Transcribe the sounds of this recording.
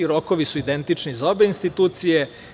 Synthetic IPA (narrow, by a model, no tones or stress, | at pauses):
iɾo̞koʋisuid̪e̞nt̪it͡ʃnizao̞be̞inst̪it̪uːt̪sije